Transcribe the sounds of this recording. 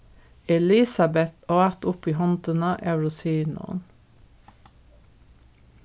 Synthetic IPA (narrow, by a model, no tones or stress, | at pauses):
ɛlisɑbɛt̪oːæt̪ʊpiːhɑnt̪ənəʔæʉɹʊsiːnʊ̰n